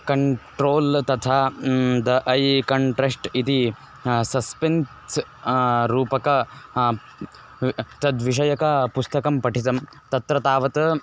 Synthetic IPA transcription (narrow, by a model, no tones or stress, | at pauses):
kɐɳʈɾoːlt̪ɐt̪ʰaːd̪ɐʔɐjkɐɳʈɾesʈit̪i | sɐspens | ɾuːpɐkɐ | t̪ɐd̪ʋiʂ̬ɐjɐkɐpust̪ɐkɐmpɐʈʰit̪ɐm | t̪ɐt̪ɾɐt̪aːʋɐt̪ɐ